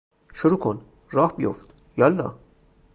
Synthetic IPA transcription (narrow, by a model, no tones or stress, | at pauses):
ʃoɾuːkʰon | rɒːhbijo̰ft̪ | jɒlːɒ̰ː